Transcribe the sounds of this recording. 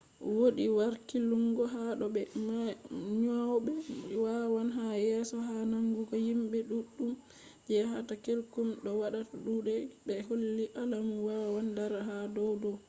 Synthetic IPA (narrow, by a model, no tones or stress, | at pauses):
woɗiwaɾkiluŋɡɔɦaɗɔɓɛmaɲawɔbɛwawanɦajɛsɔɦanaŋɡuɡɔhimbɛɗuɗum | d͡ʒɛɦatakelkumɗɔwaɗataɗuɗɛbɛɦolːiʔalamuwawandaɾaɦadɔwdɔ